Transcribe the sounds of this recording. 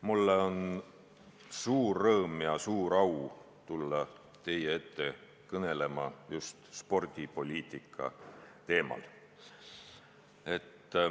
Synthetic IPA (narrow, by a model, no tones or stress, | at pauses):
mulːeo̞n | suːrːɤːmjɑsuːɾɑw | t̪ulːɑ | t̪e̞jee̞t̪ːe̞ | kɤne̞le̞mɑjust̪spo̞rd̪̥ʲipo̞lʲiːt̪ˑikʰːɑ̰t̪e̞ːmɑ̰l | e̞t̪ː